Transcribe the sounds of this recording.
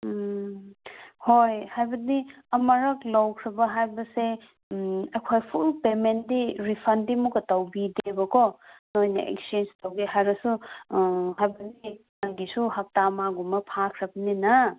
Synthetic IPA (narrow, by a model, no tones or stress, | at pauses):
hojhajbɐdi | ɐmɐɾɐklɐwkʰɾɐbɐɦajbɐse | ekʰojpʰulpemendiɾipʰɐndimukɐtɐwbidebɐkɔnojnɐ̰ʔḛkst͡ʃend͡ʒtʰɐwɡeɦajɾɐsu | ɦajbɐdimanɡisuhɐk̚tamaɡumɐpʰakʰɾɐbɐnenɐ